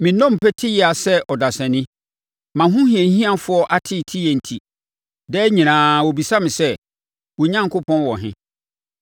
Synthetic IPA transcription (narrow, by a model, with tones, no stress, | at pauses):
mɪ̃˨nɔ̃˦m̩˨pʰɛ˦tʰɪ˦jɛ˦a˨sɛ˦ʔɔ˨da˨sɛ̃˨nɪ̃˦ | mã˨ɦʊ̃˦hĩ˨ɛ̃˨˦hĩ˦ã˨fʊ˨˦ɔ˦ʔa˦tʰɪ˦˨tʰi˦jɛ˨n̩˨tʰi˨ | dɛ˦ɲĩ˨nãː˨wɔ˨bi˨sa˦mɪ̃˨sɛ˦ | wɔ˨ɲã˦ŋ˨kʰʊ˦pʰɔ̃˦nwɔ˨ɦɪ̰̃˦